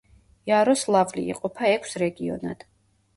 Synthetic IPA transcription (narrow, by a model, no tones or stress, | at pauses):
jaɾɔslˠavlḭːqʼɔpʰaɛkʷʰsɾɛɡiɔ̰na̰d̪̥